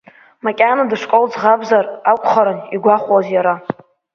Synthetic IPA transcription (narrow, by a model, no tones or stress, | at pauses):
makʲʼanadɨʂkʼold͡zʁabzarakʷʼχaɾɨniɡʷaχʷwazjaɾa